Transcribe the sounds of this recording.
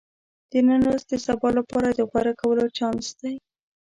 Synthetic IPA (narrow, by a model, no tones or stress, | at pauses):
d̪̥ənənosd̪əsabɑlapɑɾad̪əɣwaɾakawəlot͡ʃɑnsd̪̥aj